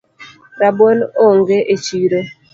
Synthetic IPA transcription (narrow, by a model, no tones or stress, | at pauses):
ɾabwonoŋɡeʔet͡ʃiɾo